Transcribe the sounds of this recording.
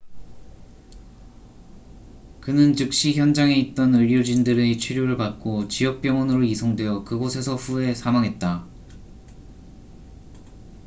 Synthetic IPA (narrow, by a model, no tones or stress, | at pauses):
kɯnɯnt͡ɕɯk̚ɕ͈içjʌnd͡ʑaŋe̞it̚t͈ʌnɯʎːod͡ʑindɯɾet͡ɕʰɥiɾjoɾɯɭpak̚k͈ot͡ɕiʌk̚p͈jʌŋʌnɯɾoisʰoŋdwe̞jʌkɯɡosʰe̞sʰʌɸue̞sʰamaŋɦe̞t̚t͈a